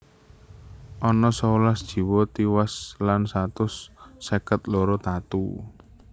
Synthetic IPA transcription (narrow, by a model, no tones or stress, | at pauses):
ʔɔnɔsɔulasd̥ʒ̥i̤wɔt̪iwaslansat̪ʊsːekət̪loɾɔt̪at̪u